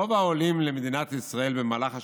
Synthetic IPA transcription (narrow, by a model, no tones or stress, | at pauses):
ovaolimlemed̪inat̪isʁae̞lbemaːlaχa